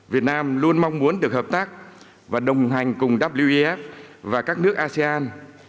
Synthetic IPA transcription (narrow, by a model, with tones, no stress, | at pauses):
vi˨˩ət̚naː˧mlu˧ənma˧wŋ͡mmu˨˦ənɗɨ˨˩ək̚həː˨˩p̚t̪aː˦˥k̚ | vaː˨˩ɗə˨˩wŋ͡mɦa˨˩jŋ̟kʊ˨˩ŋ͡mɗaː˦˥p̚li˧wʔi˧ʔɛ˦˥f̚vaː˨˩kaː˦˥k̚nɨ˦˥ək̚ʔaː˧si˧ʔaː˧n